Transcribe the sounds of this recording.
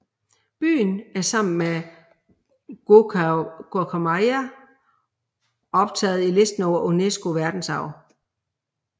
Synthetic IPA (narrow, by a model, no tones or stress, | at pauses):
b̥y̰ːnæɐsɑ̈m̰n̩me | ɡ̥okʰomɑɪæ | ɒ̽b̥̚t͡sʰɛ̰ːð̞̩ˠile̝sd̥n̩ɒʊ̰ɐʔonesɡ̥o̝ʋæɐd̥n̩sɑ̈ʊ̰